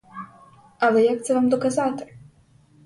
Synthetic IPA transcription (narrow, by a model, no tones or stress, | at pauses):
ɐlˠɛjak̚t̪sɛʋamd̪ɔkazat̪ɪ̥